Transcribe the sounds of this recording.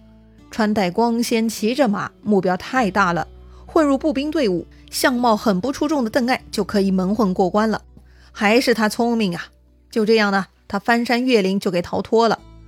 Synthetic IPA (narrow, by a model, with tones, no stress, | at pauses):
ʈ͡ʂʰwa˥nt̪a˥˩ɪkwɑ˥ŋɕjɛ˥nt͡ɕʰi˧˥ʈ͡ʂə˥˩ma̰˨˩mu˥˩pjɑ˥ʊt̪ʰa˥˧ɪt̪a˥˩lə̰˩xwə˥˧nɻu˥˧pu˥˩pi˥ŋt̪we˥˧ɪṵ˥˩ | ɕjɑ˥˧ŋmɑ˥˩ʊxə˨˩npu˥˧ʈ͡ʂʰu˥ʈ͡ʂʊ˥˩ŋd̪ə˩t̪ə˥˧ŋa˥˩ɪt͡ɕjo˥˩ʊkʰɤ˧˥i˨˩mə˧˥nxwə˥˧nkwɔ˥˩kwa˥nlə̰˨˩ | xa˧˥ɪʂɻ̩˥˩t̪ʰa˥t͡sʰʊ˥ŋmi˥˩ŋɐ˨ | t͡ɕjo˥˧ʊʈ͡ʂɤ˥˧jɑ˥˩ŋnə˩ | t̪ʰa˥fa˥nʂa˥nɥɛ˥˩li˧˥ŋt͡ɕjo˥˩ʊke˨˩ɪt̪ʰɑ˧˥ʊt̪ʰwɔ˥lə̰˨